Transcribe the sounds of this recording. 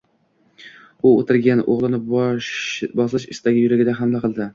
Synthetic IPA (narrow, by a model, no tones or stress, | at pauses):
ʊot̪ʰɪɾɡʲanʔoʁlˠɨnɪ | bɒslˠɪʃɪ̰st̪aɡʲɪjʊɾaɡʲɪd̪aɦamd̪aqʰɨlˠd̪ɪ